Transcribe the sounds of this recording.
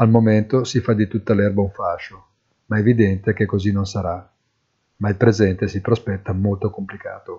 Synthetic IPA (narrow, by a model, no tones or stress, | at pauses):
almoment̪osifad̪it̪ut̪ːalɛrbauɱfaʃo | maevid̪ɛnt̪ekekːozinonsaɾa | mailpɾezɛnt̪esipɾospɛt̪ːamolt̪okomplikaːt̪o